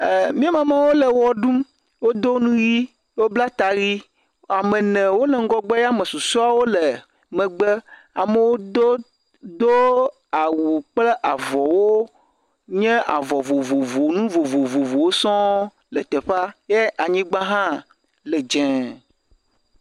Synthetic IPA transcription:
mĩ˦e˦mã˨mã˨wo˦le˨wɔ˦ɖũ˦m | wo˦d̪o˦nũ˦ji˦ | wo˦bla˦t̪a˨ɣi˦ | a˨mẽ˨nɛ̃˨wo˦lɛ˨ŋ˦ɡɔ˦ɡ͡bɛ˦ja˦mə˨su˨sɔ˦a˦wo˦le˨ | mɛ̃˨ɡ͡be˦ | a̰˨mə˨wo˦d̪o˦ | d̪o˦ | a˨wu˨k͡ple˦ʔa˨vɔ˨wo˦ | ɲɛ̃˦a̰˨vɔ˨vo˨vo˨vo˨nũ˦vo˨vo˨vo˨vo˨wo˦sɔ̃˦ | lə˨t̪e˨ɸa˦je˦a˨ɲĩ˦ɡ͡ba˦ɦã˦ | le˨d͡ʒɛ̃˨

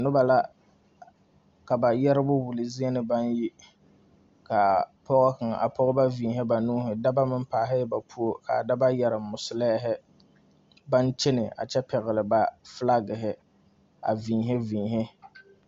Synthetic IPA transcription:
nʊ˦ba˨la˦ | ka˨ba˨jɛ˦ɾɪ˦bʊ˦wʊ˨lɪ˨zi˦e˦nɪ˦ba˦nji˦ | ka˨pɔ˦ɣɔ˦ka˨ŋ˨ʔa̰˨pʰɔ˦ɣɔ˦ba˦viː˨ɦɪ˦ba˨nuː˦ɦɪ˨da˦ba˦mɪ˦m˦paː˨ɦɪ˦ba˨pʰu˦o˦ka̰˨da˦ba˦jɛ˨ɾɪ˨mʊ˨sʊ˨lɛ˦ɦɪ˦ | ba˦nt͡ʃɪ˦nɪ˨ʔa̰˨t͡ʃɛ˦pɛ˨ɣɪ˨lɪ˨ba˨fla˦ɡɪ˨ɦɪ˦ | a̰˨viː˨ɦɛ˦vĩː˨ɦɪ˦

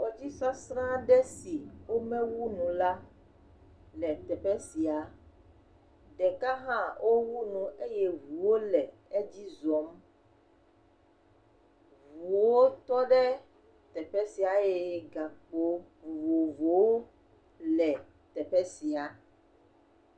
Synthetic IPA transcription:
wo˨d͡ʑi˦sa˦sɾã˦ɖɛ˦si˨wo˦mɛ̃˦wu˦nũ˨la˦ | lɛ˨t̪ɛ˨ɸɛ˦si˨a˨ | ɖɛ˨ka˦ɦã˦wʔo˦wu˦nũ˨e˦jɛ˦vu˨wo˦lɛ˨ | e˦d͡ʑi˦zɔ˨˦m | vu˨wo˦t̪ɔ˦ɖɛ˦ | t̪ɛ˨ɸɛ˦si˨a˨je˨ɡa˨k͡po˨˦vu˨vo˨vo˨wo˦ | lɛ˨ | t̪ɛ˨ɸɛ˦si˨a˨

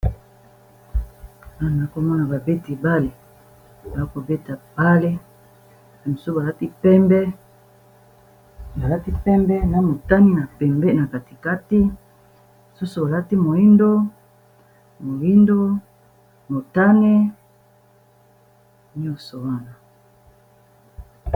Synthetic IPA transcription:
na˦n˨˦ko˦mɔ˦na˨ba˨be˦ti˨ba˦le˨ | ba˨a˦ko˨be˦ta˨b̥a˦le˦˨ | e˨mo˨su˦ba˨la˦ti˦pɛ˦mbɛ˦ | ba˨la˦ti˦pɛ˦mbɛ˦na˨mo˨ta˦ni˦na˨pɛ˨mbɛ˦na˨ka˨ti̥˨ka˦ti˦ | mo˨su˦su˨ba˨la˦ti˦mo˨i˦ndo˦ | mo˨ji˦ndo˦ | mo˨ta˦ne˦ | ɲɔ˦so˨wa˦na˨

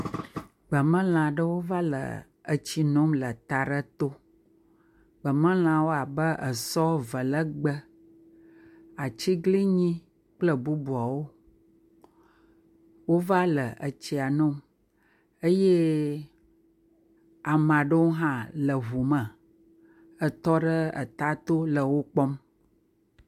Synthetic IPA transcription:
ɡ͡bə˨mə̃˦l̃ã˨ɖə˦wo˦va˦lə̰˨ | ə˨t͡ɕi˦nɔ̃˦mlə˨t̪a˨ɖə˦t̪o˦ | ɡ͡bə˨mə̃˦l̃ã˨wo˦a˨bə˦ʔə̰˨sɔ˦və˨lə˦ɡ͡bə˦ | a˨t͡ɕi˦ɡli˦ɲĩ˦ | k͡plə˦bu˦bu˨a˨wo˦ | wo˦va˦lə˨ə˨t͡ɕi˨a˨nõ˦ | ə˦je˦ | a˨mã˨ɖə˦wo˦ɦã˦lə˨ɦu˨mə̃˨ | ə˨t̪ɔ˦ɖə˦ə̰˨t̪a˦t̪o˦lə˨wo˦k͡pɔ˦m

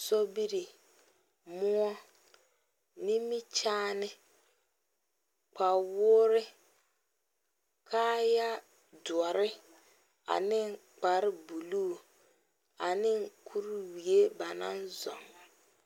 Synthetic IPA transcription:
so˦bi˦ɾi˨ | mʊ˦ɔ˦ | ni˦mi˦t͡ʃaː˦nɪ˦ | k͡pa˨wʊː˦ɾɪ˦ | kʰaː˦ja˦ | dwɔ˨ɾɪ˦ | a̰˨nɪ˦ŋ˦k͡pa˨ɾɪ˦bu˨luː˦˨ | a˨nɪ˦ŋ̩˦kʰu˦ɾwi˨e˦ba˨na̰˦nzɔ̰˨ŋ˨

